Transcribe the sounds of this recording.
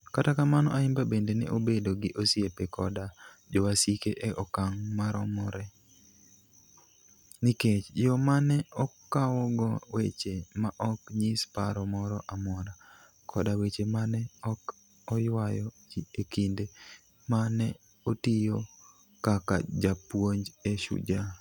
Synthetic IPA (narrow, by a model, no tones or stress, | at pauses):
katakamanɔ̰ʔaɪmbabendenɛ̰ʔobedoɡɪʔosjepekʰɔdad͡ʒɔwasikeʔeʔɔkaŋmaɾɔmɔɾɛ | niket͡ʃjɔmanɛɔkawɔɡɔwḛt͡ʃemaʔɔkɲispaɾɔmɔɾɔʔamɔɾa | kʰɔdawet͡ʃemanɛɔk | ɔjwajɔd͡ʒiekinde | manɛ | otijo | kaka̰d͡ʒapwoɲd͡ʒeʃṵd͡ʒa